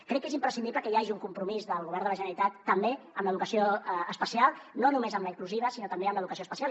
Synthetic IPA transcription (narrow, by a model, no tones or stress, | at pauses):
kɾɛkːezimpɾəsind̪iβləkəjaʒiuŋkumpɾumizðəlˠɣuβ̞ɛrnd̪ələʒənəɾit̪at̪ːəmbe | əmləðukəsioəspəsialˠnonumezəmləikluziβ̞əsinot̪əmbeəmləðukəsioəspəsia